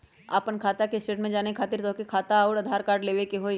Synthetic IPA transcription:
a̰ːpənkʰaːt̪akesʈeːʈmẽd͡ʒaːnekʰaːt̪ɪɾt̪ɔːkekʰaːt̪aɔːɾɐd̪ʱaːɾkaːɾɖleːʋekeɦoː

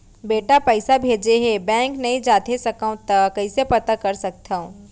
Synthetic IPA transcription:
beːʈapəɪsabʱeːd͡ʒeɦebɛ̃ːŋknɐɦĩd͡ʒaːt̪ʰesɐkə̃w̃t̪akəisepɐt̪akɐɾsɐk̚t̪ʰaõ

